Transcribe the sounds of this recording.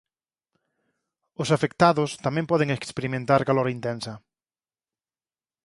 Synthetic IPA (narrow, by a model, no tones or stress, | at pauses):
ʊsafek̚t̪aðʊst̪amɛ̃mpɔðeŋekspeɾimẽnt̪aɾkalɔɾaint̪ensɐ